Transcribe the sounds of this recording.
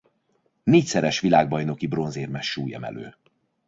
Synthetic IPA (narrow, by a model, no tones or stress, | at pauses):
neːcsɛɾɛʃʋilaːɡ̚bɒjno̞kibro̞nzeːrmɛʃːuːjɛ̰mɛ̰lø̰ː